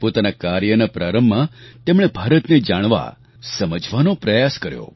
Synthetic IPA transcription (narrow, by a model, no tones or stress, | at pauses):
pot̪anakaɾjənapɾaɾəmːãt̪emɽ̃ebʱaɾət̪ned͡ʒaɽ̃ʋa̰ | səməd͡ʒʱʋanopɾəjaskəɾjo̰